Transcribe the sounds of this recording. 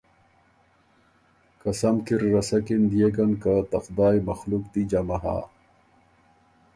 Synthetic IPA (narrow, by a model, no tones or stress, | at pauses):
kɐsɐmkiɾːɐsɐkind̪ijekɐnkat̪ɐqd̪aːjmɐxlukt̪id͡ʑɐmɐɦa̰ː